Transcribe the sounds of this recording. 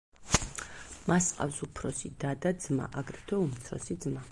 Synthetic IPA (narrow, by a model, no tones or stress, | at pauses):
masqʼa̰fsupʰɾɔsid̪ad̪ad̪zma̰ʔaɡɾɛt̪ʰɔumt̪sʰɔ̰sid̪zma